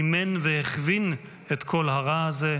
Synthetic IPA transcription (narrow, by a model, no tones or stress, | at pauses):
menveheχvin | etkʰo̞lɦaʁaaze